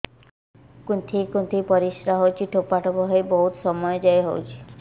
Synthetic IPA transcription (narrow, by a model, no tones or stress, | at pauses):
kunt̪ʰikunt̪ʰipɔɾisɾaɦowt͡ʃʰiʈʰopaʈʰɔbɔɦɔebɔɦut̪sɔmɔjɔd͡ʒajɦowt͡ʃʰi̥